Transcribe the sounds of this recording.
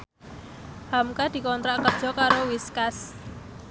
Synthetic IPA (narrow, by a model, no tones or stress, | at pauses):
hamkad̪̥i̤kɔnt̪ɾaʔkərd̥ʒ̥ɔ̤kaɾowiskas